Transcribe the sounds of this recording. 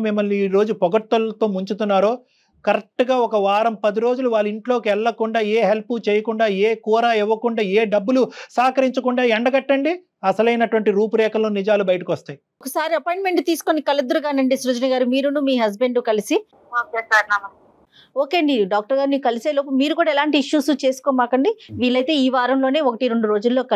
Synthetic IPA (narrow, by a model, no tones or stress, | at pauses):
mimːɐlniːɾo̞ːd͡ʒupɔɡɐɾt̪ːɐlt̪o̞ːmuɲt͡ʃut̪unːaːɾoː | kɐɾek̚ʈːɐɡaːɔkɐʋaːɾɐmpɐd̪iɾo̞ːd͡ʒuluʋaːɭːiɳʈloːkiɛɭːɐkuɳɖaːeːɦelput͡ʃɛːjɐkuɳɖaːeːkuːɾaːɛʋːɐkuɳɖaːeːɖɐbːulusaːkɐɾiɲt͡ʃɐkuɳɖaːɛɳɖɐɡɐʈːɐɳɖi | ɐsɐlɐjnɐʈuʋɐɳʈiɾuːpuɾɛːkɐloːnid͡ʒaːlubɐjɐʈɐkiʋɐst̪aːj | okɐsaːɾiɐpojɳɖme̞ɳʈt̪iːsu̥konikɐlɐd̪ːɐɾuɡaːnɐɳɖisɾud͡ʒɐnɐɡaːɾumiːɾunumiːɦɐz̬be̞ɳɖukɐlisi | oːkeːsaːɾnaːmɐ | oːkeɐɳɖiɖaːk̚ʈɐɾɡaːɾniːukɐliseːloːpɐmiːɾukuːɽaɛlaːɳʈiːiʂːuːsut͡ʃe̞ːsu̥koːmaːkɐɳɖiʋiːɭlːɐjt̪e̞ːiːʋaːɾɐmlo̞ːne̞ːokɐʈiɾe̞ɳɖuɾo̞ːd͡ʒulːo̞ːkɐ